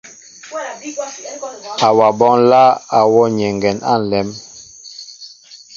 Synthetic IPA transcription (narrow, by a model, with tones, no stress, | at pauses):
a˨wa˨bɔ˦ŋla˦a˨wɔ˦ɲɛ˨ŋɡɛ˨na̰˦˨n̩˨lɛ˨˦m